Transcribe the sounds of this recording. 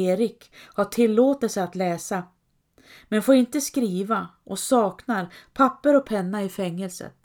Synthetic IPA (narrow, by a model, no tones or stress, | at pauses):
eːɾɪk | haʈʰɪlːoːt̪əlsəat̪lɛːsa | mɛnfoːɾɪnt̪əskɾiːvaʔɔsɑːknaɾpʰapːəɾɔpʰɛnːaɪfɛŋːəlsə̰t̪